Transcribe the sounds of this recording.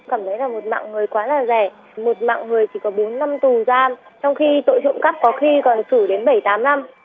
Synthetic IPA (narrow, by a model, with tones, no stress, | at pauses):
kaː˧˩mt̪ʰə˨˦jlaː˨˩mo˨˩t̚ma̰ː˧˨ŋŋɨ˨˩əjkwaː˨˦laː˨˩zɛ˧˩ | mo˨˩t̚ma̰ː˧˨ŋŋɨ˨˩əjt͡ɕi˧˩kɔ˨˦ɓo˨˦nːa˧mt̪u˨˩zaː˧mt͡ɕɔ˧wŋ͡mxi˧t̪o̰˧˨jzʊ̰˧˨ŋ͡mka˦˥p̚kɔ˨˦xi˧kɔ˨˩nsɨ˧˩ɗe˨˦nɓə˧˩jt̪aː˨˦mna˧m